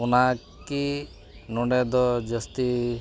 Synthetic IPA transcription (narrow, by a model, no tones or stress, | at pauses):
una | ki | nɔɳɖed̪ɔd͡ʒəst̪i